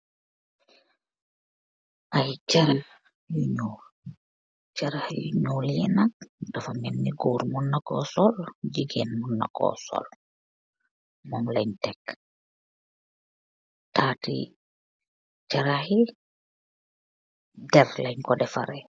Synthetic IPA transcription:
ʔajt͡ʃaɾa | juɲoːl | t͡ʃaɾahjuɲoːljɛnak̚dafamɛnniɡoɾmunːakɔsɔld͡ʒiɡenmunːa̰kɔ̰sɔ̰l | mɔmlaɲtɛk | taːtḭ | t͡ʃaɾahi | dɛɾlaɲkɔdɛfa̰ɾɛ

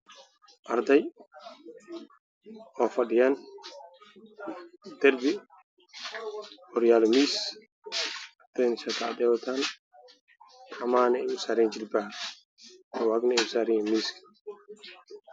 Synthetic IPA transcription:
ʔaɾdaj | ɔfadijan | dɛɾbi | ɔɾijalmis | at̪ajnsat̪adɛwt̪an | amaːnɛimsaɾind͡ʒilba | ɛwaɡnɛmsaɾiŋmisk

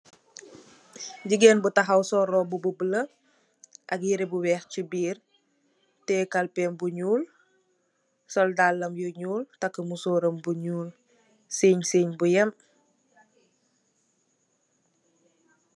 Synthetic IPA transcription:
ɟiɡɛnbutɐɦɐwsɔɾɔbububələ | ʔɐkjiɾibuwɛːxcibiːr | tɛkɐlpɛmbuɲuːl | sɔldalːɐmjuɲuːltɐkːəmusoːɾəmbuɲuːl | seːɲsiːɲbujɛm

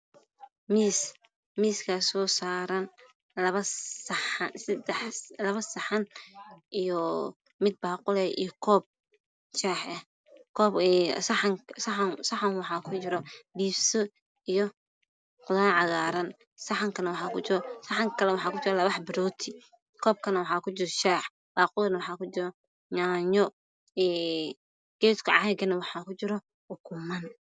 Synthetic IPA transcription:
miːs | miːskʰɐsɔːsaːɾɐn | lɐβɐssɐd̪ɛħlɐβɐsɐħɐnʔijɔ | mɪd̪̚baːqʊlɛːḭjkʰɔːb̚ | t͡ʃaːħɐh | kʰɔːsŋssɐħanwɑħɑːkʰʊt͡ʃɪɾɔbiːbsɔ | ijɔ | qʊðaːʕɑɣaːɾɐn | sɐħɐŋkʰɐnɐwɑħɑːkʊsɐħɐŋkʰɐlɛwɑħɑːkʊt͡ʃɪɾɛlɐβɑħbɪɾɔːt̪ʰɪ | kʰɔːb̚kʰɐnɐwɑħɑːkʰʊt͡ʃɪɾɔʃaːħ | baːqʊlnɐwɑħɑːkʰʊt͡ʃɪɾɔ | ɲaːɲɔ | ɛː | ɡ̥ɛːskʰɐʕɑɛɡɐnɐwɑħɑːkʊt͡ʃɪɾɔ | ʊkʰʊmɐn

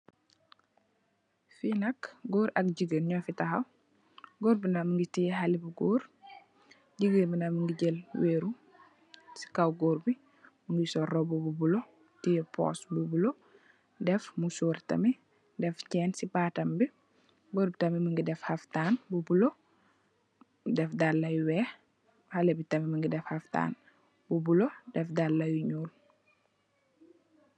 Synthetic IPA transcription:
finɐkɡoːɾɐk̚ɟiɡəɾɲɔfitɐxɐw | ɡoːɾbinaməŋɡitijɦalibuɡoːɾ | ɟiɡəɾbinaməŋɡiɟelweːɾu | si̥kawɡoːɾbi | muŋɡisɔrɔbububulo | tijɛpɔ̰ːsbubulo | dɛfmusuːrtɐ̰mi | dɛfcɛːnsipaːtɐmbi | boɾbitɐmiməŋɡidɛfhɐftaːnbubulo | dɛfdalːɐjuwɛh | hɐlebitɐmiməŋɡidɛfhɐfta̰ːn | bubulodɛfdalːɐjuɲuːl

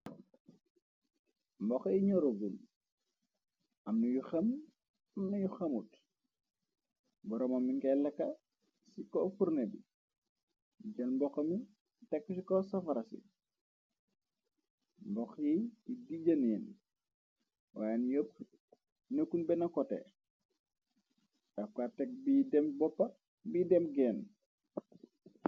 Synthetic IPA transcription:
mbɔxjiɲɔɾoɡun | ɐmnɐjuxɐm | ɐmnɐjuxɐmut | bɔɾɔmɐmːiŋkɛlɐkːɐ | sikɔfurnebḭ | ɟɐlmbɔxɐmi | tɛkːusikɔsɐfɐɾɐsḭ | mbɔxjiidiɟɐniːn | wajanjop̚ | nəkːunbɛnɐkɔtɛ̰ | ʔɐfkatɛk̚bidɛmbɔpːɐ | biːdɛmpɡɛːn

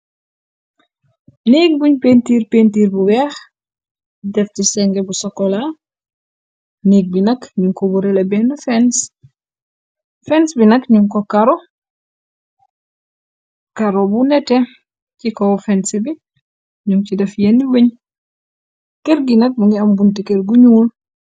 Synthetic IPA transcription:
nik̚buɲpentiːɾpentiːɾbuwɛx | dɛftisɛŋɡɛbusɔkːɔla | niːɡ̚binɐkɲuŋkɔbuɾɛlɛbɛnufɛns | fɛnsbinɐkɲuŋkɔkaɾɔ | kaɾɔbunɛtɛ | cikɔfɛnsɛbi | ɲuŋcidɛfjenːiwuɲ | keɾɡinɐk̚buŋɡiɐmbuntikeɾɡuɲuːl

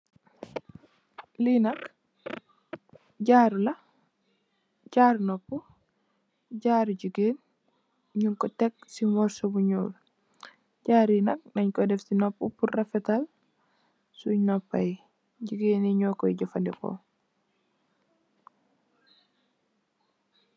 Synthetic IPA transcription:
linɐk | ɟaːɾulɐ | ɟaːɾnɔpːu | ɟaːɾɟuɡeːn | ɲuŋkɔtɛk̚simɔɾsobuɲṵːl | ɟaːɾinɐk̚nɐɲkɔdɛfsinɔpːupurːɐfɛtal | sunɔpːaj | ɟuɡeːniɲɔːkɔiɟɔfandiko̰

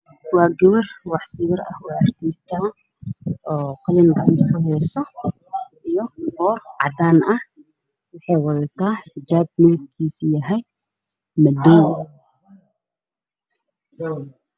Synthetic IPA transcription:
wɑːɡɛwɐrwɑħsɪjɐrɐ̰hwɑɐrt̪ʰiːst̪ʰa | ɔːqɔlɪnɡɑʕɑnt̪ʰɐkʰʊɦɛjsɔ | ʔijɔbɔːrʕɑ̰d̪aːnɐh | wɑħɑjwɑðɐt̪ʰaːd͡ʒaːb̚mɪb̚kʰiːsjɐɦɛj | mɐd̪ɔː

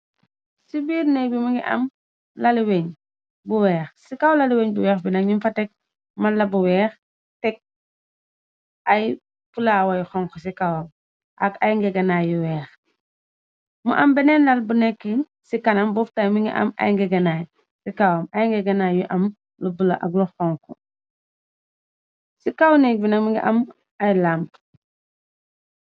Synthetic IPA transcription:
sibiːɾnɛjbimuŋɡiʔɐ̰m | lɐliweɲ | buwɛːxsikawlɐliweɲbuwɛːxbinɐkɲimfɐtɛk̚ | mɐlːɐbuwɛːx | tɛk̚ | ɐj | fulaːwɐjxɔŋkɔsikawɔm | ʔɐkɐjŋɡɛɡɐnajjuwɛːx | mṵʔɐmbɛnɛnlɐlbunɛkːi | sikɐnɐmbɔftajmiŋɡḭʔɐ̰mɐ̰jŋɡɛɡɐnaːj | sikawɐmɐjŋɡɛɡɐnajjuʔɐm | lubulɐ̰ʔɐ̰ɡlɔxɔŋkɔ | sikawnɛk̚binɐkmiŋɡḭʔɐm | ɐjlamp

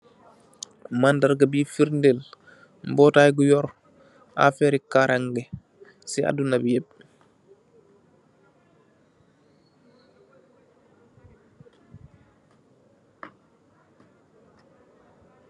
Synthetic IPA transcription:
mandaɾɡabifiɾndel | mbɔːtajɡujɔɾ | a̰fɛɾikaɾaŋɡɛ | sia̰dunabjeb̚

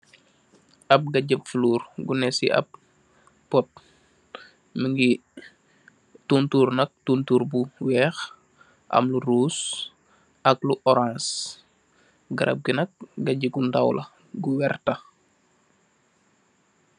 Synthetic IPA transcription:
ɐp̚ɡɐɟəpfluːrɡunɛsḭʔɐ̰p̚ː | ɔt̚ | məŋɡi | tuntuːrnɐk̚tuntuːɾbuwɛːx | ʔɐ̰mluɾuːs | ɐkluʔɔɾãns | ɡɐɾʔɐ̰p̚ɡinɐk̚ɡɐɟiɡundawlʔɐ̰ | ɡuwɛrtɐ

